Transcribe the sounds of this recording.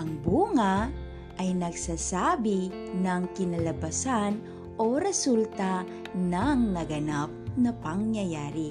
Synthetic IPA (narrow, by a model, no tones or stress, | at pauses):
ʔɐŋbuːŋa | ʔɐjnɐɡsaːsaːbi | nɐŋkɪnɐlɐbɐsan | ʔoɾɛsult̪a | nɐŋnɐɡɐnap̚nɐpɐŋjɐjaːɾi